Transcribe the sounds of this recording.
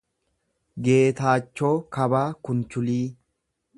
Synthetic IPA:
ɡe̞ːt̪aːt͡ʃːoːkɐbaːkʊnt͡ʃʊliː

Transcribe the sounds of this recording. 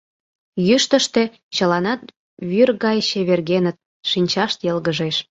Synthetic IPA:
jyʃt̪əʃt̪e̽ | t͡ɕə̆lɑnɑt̪ | βyrɣɑjɕĕβerɣenə̆t̪̚ | ʃinʲt͡ɕɑʃt̪jɤlɣəʒeʃ

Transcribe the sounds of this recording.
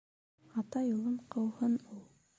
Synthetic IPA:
ɑt̪ɑjulˠɤɴqɤ̆whɤnulˠ

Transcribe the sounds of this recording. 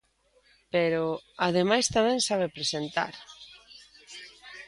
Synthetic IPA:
peɾʊaðemajst̪amɛ̃ŋsaβepɾesent̪a̰ɾ

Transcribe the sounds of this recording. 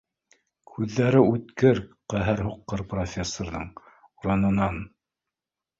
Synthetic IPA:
kʰʉðːæɾɘʉt̪kɘɾqæɦɘɾɦuqːɤɾprofʲesːorðɤɴ | uɾɑnɤ̆nɑn

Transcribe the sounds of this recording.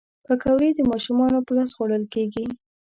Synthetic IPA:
pəkawɾed̪əmɑʃumɑnopəlɑsɣoɽəlkeɡi

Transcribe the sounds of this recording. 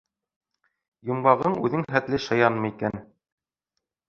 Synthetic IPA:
jŏmɢɑʁɤɴʉðɘŋχæt̪lɘʃɤ̆jɑnmɤ̆ikæn

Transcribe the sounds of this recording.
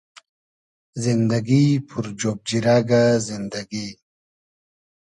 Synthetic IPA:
zind̪aɡipʰuɾd͡ʑoːb̚d͡ʑiɾaɡazind̪aɡi

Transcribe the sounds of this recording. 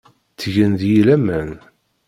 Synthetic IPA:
t͡sːʝənðjilæmən

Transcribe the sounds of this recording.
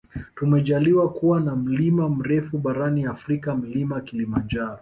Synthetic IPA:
tumɛʄaliwakuwanam̩limam̩ɾɛfuɓaɾaniafɾikam̩limakilimand͡ʒaɾɔ

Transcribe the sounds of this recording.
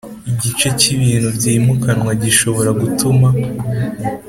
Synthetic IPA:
iɟit͡ʃe̞ciβiːn̥huvɟimukanŋwaɟiʃo̞βo̞ɾaɡutuma

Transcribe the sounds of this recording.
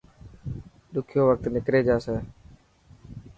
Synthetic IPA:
ɗʊkʰjoːʋək̚t̪nɪkɾeːd͡ʒaːseː

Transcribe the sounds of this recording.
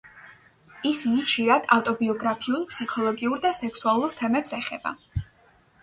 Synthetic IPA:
isinit͡ʃʰiɾad̪̥aft̪ʼɔbiɔɡɾapʰiulˠpʰsikʰɔlˠɔɡiuɾd̪asɛkʰsualˠuɾt̪ʰɛmɛpsɛχɛb̥a̰

